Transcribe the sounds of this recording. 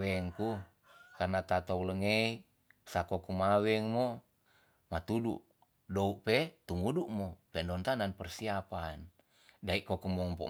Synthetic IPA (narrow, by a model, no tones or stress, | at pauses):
ɛŋku | karnat̪at̪oləŋei | sakokumawɛŋmo | mat̪udṵʔ | douʔpet̪umuduʔmopɛndɔnt̪ananpərsiapan | daiʔkokumɔmpɔ̰